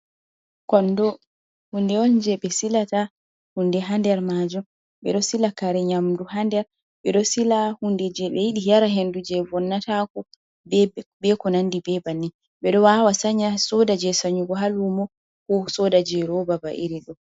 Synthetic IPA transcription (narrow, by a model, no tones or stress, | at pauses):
kɔndɔ | hundɛɔnd͡ʒɛɓɛsilata | hundɛɦandɛɾmad͡ʒɔ | ɓɛ̰ɗɔsilakaɾɛɲamduhandɛɾ | ɓɛɗɔsilahundɛd͡ʒɛɓɛjiɗijaɾaɦendud͡ʒɛvɔnːatakɔ | bɛkɔnandibɛbanːi | ɓɛɗɔwawasaɲasɔdad͡ʒɛsaɲuɡɔɦalumɔ | kɔsɔdad͡ʒɛɾɔbaba̰ʔiɾiɗɔ